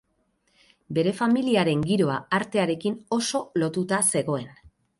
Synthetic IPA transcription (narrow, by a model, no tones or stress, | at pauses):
be̞ɾe̞familiaɾe̞ŋɡiɾo̞aaɾt̪e̞aɾe̞kino̞so̞lo̞t̪ut̪ase̞ɣo̞e̞n